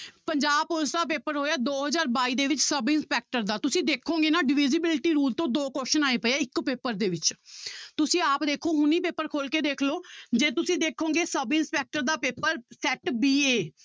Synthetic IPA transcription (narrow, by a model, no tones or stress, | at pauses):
pəɲd͡ʒaːbʊsd̪aːp̬eːpəɾɦoːjaːd̪oːɦəzaːɾbaːiːd̪eːʋɪt͡ʃsəbɪnspɛːk̚ʈəɾd̪aːt̪ʊsĩːd̪eːkʰːõːŋɡeːnãːɖɪʋɪzɪbɪlʈiːɾuːlt̪õːd̪oːkoːʃənaːeːpəeaːɪkpeːpəɾd̪eːʋɪt͡ʃt̪ʊsĩːaːpd̪eːkʰoːɦʊniːpeːpːəɾkʰoːlkeːd̪eːkʰloːd͡ʒeːt̪ʊsĩːd̪eːkʰõːŋɡeːsəbɪnspɛːk̚ʈəɾd̪aːpeːpəɾsɛːʈbiːeː